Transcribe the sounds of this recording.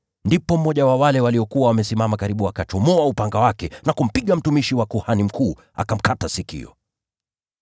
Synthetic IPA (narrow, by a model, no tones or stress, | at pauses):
ndipɔm̩ɔʄawawalɛwaliɔkuwawamɛsimamakaɾiɓuakat͡ʃɔmɔaupaŋɡawakɛnakum̩piɠam̩tumiʃiwakuhanim̩kʰuː | a̰kam̩katasikḭɔ̰